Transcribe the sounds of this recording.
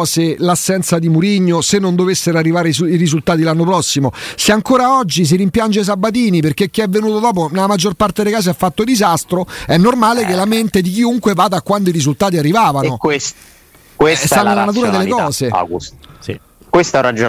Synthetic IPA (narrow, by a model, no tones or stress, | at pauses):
selasːɛnt̪sad̪imuɾiɲːosenːond̪ovesːeɾarːivaːɾesuiɾizult̪aːt̪ilanːopɾɔsːimoseaŋkoːɾaɔd͡ʒːis̬iɾimpjand͡ʒes̬abːat̪̬iːniperk̟ek̟ːiɛvːenuːt̪od̪ɔːp̬onelamad͡ʒːorpart̪ed̪ejkaːs̬eafːat̪ːod̪izast̪ɾoɛnːormaːlekelːament̪ed̪ik̟̬iuŋkwevad̪aːkːwand̪oiɾizult̪aːt̪̬iarːivaːvanokwes | kwesannelanat̪uːɾad̪elːekɔːzḛk | kwest̪arad͡ʒo